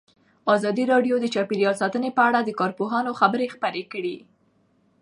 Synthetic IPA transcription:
ɑzɑd̪iɾɑɖjod̪ət͡ʃɑpiɾjɑlsɑt̪ənepəaɽad̪əkɑɾpoɦɑnoxabəɾexpəɾekəɽi

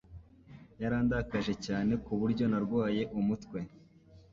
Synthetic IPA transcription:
jaɾaːndakaʒe̞caːne̞kuβuɾɟo̞naɾɡwaːje̞ʔumutkwe̞

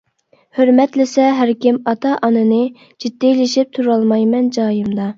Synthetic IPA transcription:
høɾmɛt̪lɪsɛɦæɾkʲimɑt̪ʰɑʔɑnɨnɨ | d͡ʒid̪̥ːilɪʃip̚t̪ʰuɾɑlˠmɑjmɛnd͡ʒɑːjɨmd̪ɑ

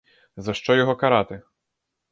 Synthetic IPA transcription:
zɐʃt͡ʃɔjɔɦɔkɐɾɑt̪ɪ

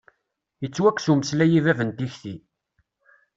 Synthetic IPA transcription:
jət͡sːwækːsuməslæjivævənt̪içθi

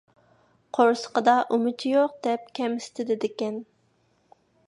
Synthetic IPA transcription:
qʰoɾsə̥qəd̪ɑʔumɪt͡ʃ̪ʰijoq̚d̪ɛp̚kʲʰɛmst̪ʰɪd̪ɪd̪ɪkʲɛn

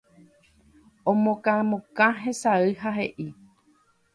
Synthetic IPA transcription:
õmõkãmõkãɦesaɨhaɦe̞ʔi

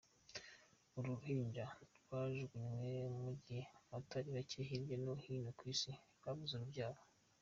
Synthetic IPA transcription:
uɾuhiːɲɟaɾɡwaːʒuɡuɲumeɾemumuɟiβataɾiβaceɦiɾjonohiːnokwiːsiwaβuzuɾubɟaːɾo

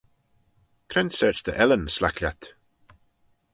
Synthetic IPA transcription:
kʰɾɛnsɛɹt͡ʃd̪əʔɛlənslakʰlʲjat̪

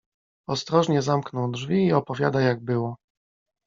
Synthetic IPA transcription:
ɔst̪ɾɔʐɲɛzamknɔwdʐvʲiːɔpɔvʲjad̪ajaɡ̚bɘwɔ

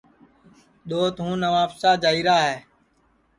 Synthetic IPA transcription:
ɗ̪oːt̪ɦũːnəʋaːfsaːd͡ʒaːiːɾaːɦeː

